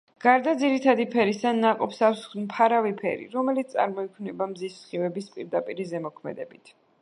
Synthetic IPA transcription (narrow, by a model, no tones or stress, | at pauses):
ɡ̥aɾd̪ad̪ziɾit̪ʰad̪ipʰɛɾist̪anːaqʼɔpsafsmpʰaɾavipʰɛ̰ɾḭɾɔmɛlit̪sʼa̰ɾmɔikʰvnɛbamzissχivɛbispʼiɾd̪apʼiɾizɛmɔkʰmɛ̰d̪ɛbit̪ʰ